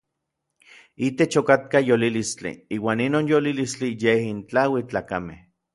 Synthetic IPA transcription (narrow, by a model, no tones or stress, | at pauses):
it̪et͡ʃokat̪̚kajolilist͡ɬḭiːwaːninoːnjolilist͡ɬijehint͡ɬawit͡ɬaːkamḛh